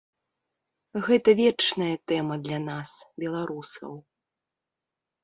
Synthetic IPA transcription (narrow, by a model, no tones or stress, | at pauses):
ɣɛt̪ɐvʲɛt͡ʂnɐjɐt̪ɛmɐd̪lʲanasbʲɛlˠaɾusɐ̰w